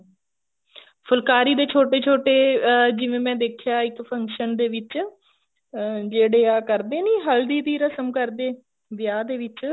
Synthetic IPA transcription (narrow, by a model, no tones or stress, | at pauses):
pʰʊlkaːɾiːd̪eːt͡ʃʰoːʈeːt͡ʃʰoːʈeːd͡ʒɪʋẽːmɛ̃ːd̪eːkʰjaːɪkpʰəŋkʃənd̪eːʋɪt͡ʃ | d͡ʒeːɽeːaːkəɾd̪eːnĩːɦəld̪iːd̪iːɾəsəmkəɾd̪eː | ʋjaːd̪eːʋɪt͡ʃ